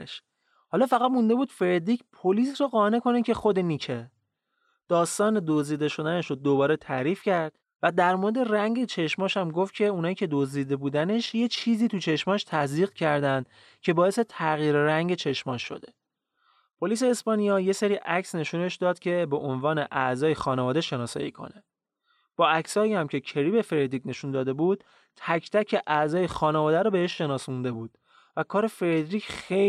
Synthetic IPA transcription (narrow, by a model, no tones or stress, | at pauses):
ʃ | hɒːlɒːfæɣæd̪mund̪e̞buːd̪̥feɾd̪iːcʰpʰoliːsroɣɒːne̞kʰo̞necʰe̞xod̪eniːcʰe | d̪̥ɒːst̪ɒːne̞d̪oziːd̪e̞ʃo̞d̪æneʃod̪obɒːɾet̪ʰæɾiːfcæɾd̪̥ | væd̪æɾmoɾed̪e̞ræŋɟet͡ʃʰe̞ʃmɒːʃæmɡoft̪̚cʰe̞unɒːjicʰe̞d̪oziːd̪e̞buːd̪æne̞ʃje̞t͡ʃʰiːziːt̪ut͡ʃʰe̞ʃmɒːʃt̪ʰæziːɣcʰæɾd̪ænd̪̥ | cʰe̞bɒːese̞t̪ʰæɣiːɾræŋɟe̞t͡ʃʰe̞ʃmɒʃːo̞̰d̪e̞ | pʰo̞liːs̬e̞ːspɒːnijɒːje̞seɾiːʔæcsne̞ʃuːne̞ʃd̪ɒːd̪̥cʰe̞be̞ʔonvɒːneʔæzɒːjexɒːnevɒːd̪eʃe̞nɒːsɒ̰ːjiːkʰo̰ne̞ | b̥ɒːæcsɒːiæmcʰe̞cʰe̞ɾiːbe̞feɾed̪ɾiːcne̞ʃund̪ɒːd̪e̞buːd̪̥̚ | t̪ʰæcʰt̪ʰæcʰeʔæzɒːjexɒːnevɒːd̪æɾɔːbe̞he̞ʃːe̞nɒːsund̪e̞buːd̪̥ | vækʰɒːɾe̞feɾed̪ɾiːcʰxe